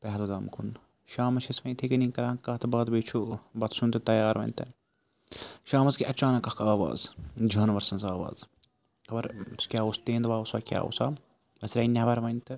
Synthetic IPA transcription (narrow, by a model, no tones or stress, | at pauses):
pɛɦlɡaːmkʰun | ʃaːmɐt͡ʃʰɐsʋɐnt̪ʰekɐniːkɐɾãːkːɐːt̪ʰɨbaːd̪bet͡ʃʰubɐt̪sunt̪ɨt̪ɐjaːɾʋɐ̰nʲt̪ɐ | ʃaːmɐskiʔɐt͡ʃaːnɐkɐkʰaːʋa̰ːzd͡ʒʱɐːnʋɐɾsɐnzaːʋa̰ːz | kɐbɐɾskʲjaːust̪eːnd̪ʋaːusaːkʲja̰ːṵsaː | ɐsɾɐinʲɐbɐɾʋɐnʲt̪ɨ